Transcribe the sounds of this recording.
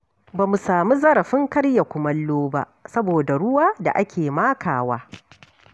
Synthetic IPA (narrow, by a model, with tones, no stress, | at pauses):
baː˨mu˨saː˨mu˦zɐ˦ɾɐ˨ɸɪ˦ŋkɐ˦ɽja˨kʷʊ˨mɐ˦lːoː˦ba̰˦ʔsɐ˦boː˨da˨ɽʊ˦waː˦da̰˨ʔa˦kʲʰeː˨maː˦kʰaː˨waː˦